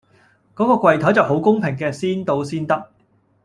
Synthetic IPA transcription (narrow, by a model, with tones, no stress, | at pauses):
kɔː˨˥kɔː˧kʷwɐ˨jt̪ʰɔ˨˥jt͡sɐ˨wɦo˨˥wkʊ˥ŋpʰɪ˨˩ŋkɛː˧siː˥nt̪o˧wsiː˥nt̪ɐ˥k̚